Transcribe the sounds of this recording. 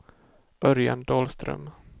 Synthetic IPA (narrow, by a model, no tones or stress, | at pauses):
ʔœɾja̰nd̪oːlst̪ɾœ̰m